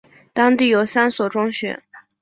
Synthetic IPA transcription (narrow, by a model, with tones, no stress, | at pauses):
t̪ɑ˥ŋt̪i˥˩jo˨˧˩ʊsa˥nswɔ˨˩ʈ͡ʂʊ˥ŋɕɥɛ̰˨˩˦n